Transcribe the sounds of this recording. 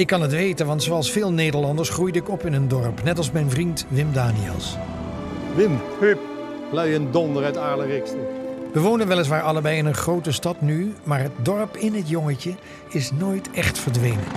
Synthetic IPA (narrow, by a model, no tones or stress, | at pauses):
ɪkːɑnətʋejtənʋɑntsoɑlˠsfɪːlˠnejdəɹlɑndəɹsχrujdəɪkɔpɪnəndɔɹpnɛtɑlˠsmɛjnvrintʋɪmdaːniɛ̰lˠs | ʋɪmhyp | plœɥəndɔndəɾœɥtaːɹlərɪkstəʋəʋownənʋɛlˠɪs̬ʋaːɹɑlˠəbɛjɪnənχrowtəstɑtnymaːɹɦət̚dɔɹpɪnɦətjɔŋəcə | ɪsnoːjtʰɛχtfəɹdʋejnən